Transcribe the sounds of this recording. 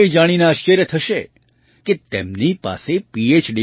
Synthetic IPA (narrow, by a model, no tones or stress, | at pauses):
jd͡ʒaɽ̃inaːʃt͡ʃəɾjət̪ʰəʃe | ket̪emnipa̰sepiet͡ʃɖi